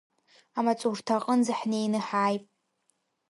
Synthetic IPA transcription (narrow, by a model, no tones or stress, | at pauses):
amat͡sʼurtʰaqʼənzɨħnejnɨħaːjpʼ